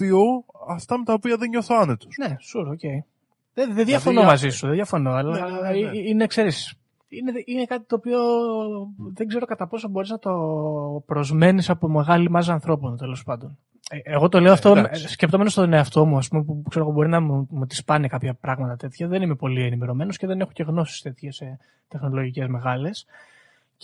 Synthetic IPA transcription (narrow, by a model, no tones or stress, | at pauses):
pioɐft̪ɐmet̪ɐopiɐðeɲɲoθoɐnet̪u̥sne̞suɾoce̞i | ðeðenðʝɐfonomɐzisuðenðjɐfono̞ɐlɐiine̞kse̞ɾis | ineine̞kɐt̪it̪o̞ːpio̞ | ðe̞ɡze̞ɾo̞kɐt̪ɐpo̞sobo̞ɾiznɐt̪o̞pɾo̞zme̞nisɐpo̞me̞ɣɐlimɐzɐnθɾo̞pont̪e̞lo̞spɐnd̪on | eɣo̞t̪o̞le̞ɐft̪omscept̪omenost̪oðneɐft̪o̞muɐspume̞pukseɾoɣobo̞ɾinɐmumut̪i̥spɐnekɐpçɐpɾɐɣmɐt̪ɐt̪e̞t̪çɐðe̞nime̞po̞lienime̞ɾo̞me̞nosce̞ðe̞ne̞xoce̞ɣno̞si̥st̪e̞t̪çese | t̪e̞xno̞lo̞ʝice̞zme̞ɣɐle̞s